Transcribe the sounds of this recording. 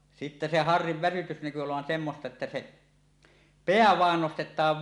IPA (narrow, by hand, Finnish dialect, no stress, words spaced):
sitːæ se hɑrːiʋ ʋæsytys næky oloʋɑn semːostɑ etːæ se peæ ʋɑˑen nostetˑɑːʋ